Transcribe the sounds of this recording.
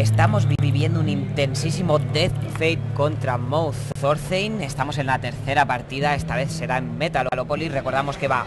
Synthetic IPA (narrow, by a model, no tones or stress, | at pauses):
e̞st̪amo̞zβiβiβje̞nd̪ounint̪e̞nsisimo̞d̪et̪fejt̪̚ko̞nt̪ɾamowθoθoɾθejne̞st̪amo̞se̞nlat̪e̞ɾθe̞ɾapaɾt̪iðae̞st̪aβe̞θse̞ɾaemmːe̞t̪alolopolire̞ko̞ɾðamo̞ske̞βa